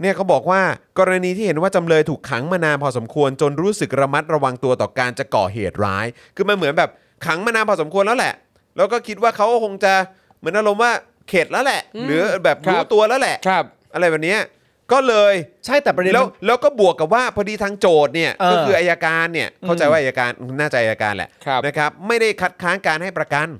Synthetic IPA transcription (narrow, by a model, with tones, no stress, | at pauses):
ni˥˩ɐkʰa˦˥wbɔː˨˩k̚waː˥˩kɔː˧ɾa˧niː˧t̪ʰi˥˩e˩˦nwaː˥˩t͡ɕa˧mlɤː˧jt̪ʰuː˨˩kʰːa˩˦ŋmaː˧naː˧npʰɔː˧so˩˦mkʰu˧ənt͡ɕo˧nɾuː˦˥sɯ˨˩k̚ɾa˧ma˦˥t̪̚ɾa˧wa˧ŋt̪u˧ɐt̪ɔː˨˩kaː˧nt͡ɕa˨˩kɔ̰ː˨˩ɦḛː˨˩t̪̚ɾa̰ː˦˥j | kʰɯː˧ma˧nmɯ˩˦nbɛː˨˩p̚ | kʰa˩˦ŋmaː˧naː˧npʰɔː˧˩s̬o˩˦mkʰu˧ənlɛː˦˥wlɛ̰˨˩ʔ | lɛː˦˥wkɔː˥˩kʰi˦˥t̪̚waː˥˩kʰa˦˥wkkʰo˧ŋt͡ɕa˨˩ | mɯ˨˩˦ənʔa˧ɾo˧mwaː˥˩ | kʰeː˨˩t̪̚lɛː˦˥wlɛ˨˩ʔɾɯː˩˦bɛː˨˩p̚duː˦˧˩t̪u˧ɐlɛː˦˥wlɛ˨˩ʔʰp̚ | ʔa˧ɾa˧jbɛː˨˩p̚ni˦˥ɐ | kɔː˥˩lɤː˧jt͡ɕʰa˥˩jt̪ɛː˨˩˧lɛː˦˥wlɛː˦˥wkɔː˥˩bu˨˩əkːa˨˩p̚waː˥˩pʰɔ˧diː˧t̪ʰaː˧ŋt͡ɕoː˨˩t̪̚ni˥˩ɐkɔː˥˧˩kʰɯː˧ʔaː˧jaː˧kaː˧nːi˥˩ɐkʰwt͡ɕa˧jwaː˥ʔa˧jaː˧kaː˧n˧naː˥˩t͡ɕa˨˩ʔaː˧jaː˧ka̰ː˧nlɛ̰˨˩˧na˦˥kʰa˦˥p̚ma˥˩jda˥˩jkʰa˦˥t̪̚kʰaː˦˥nkaː˧nha˥˩jpɾa˧ka˧n